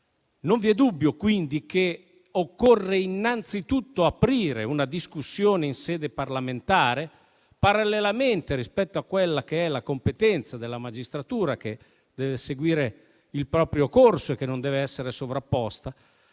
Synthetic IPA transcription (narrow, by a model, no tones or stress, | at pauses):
noɱviɛd̪ubːjokwind̪ike | okːorːeinːant̪sit̪ut̪ːoapɾiːɾeunad̪iskusːjoːneinsɛːd̪eparlament̪aːɾe | paɾalːelament̪eɾispɛt̪ːoakːwelːak̟eɛlakompet̪ɛnt̪sad̪elːamad͡ʒist̪ɾat̪uːɾake | d̪̥ɛːveseɡwiːɾe | ilpɾɔːpɾjokorsoekːenond̪ɛːveɛsːeɾesovɾapːɔst̪a